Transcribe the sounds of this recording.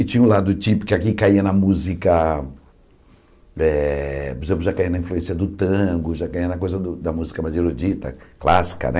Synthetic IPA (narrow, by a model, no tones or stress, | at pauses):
ɪt͡ʃĩɲɐ̃ʊlad̪ʊt͡ʃipʊ̥kɪakikaiɐnɐmuzikɐ | ɛpoɾezẽplʊʒakaiɐnɐĩfluẽsiɐd̪ʊt̪ɐ̃ɡʊʒakaiɐnɐkojzɐd̪ʊd̪ɐmuzikɐmazeɾod͡ʒit̪ɐ̰klasi̥kɐ̰nɛ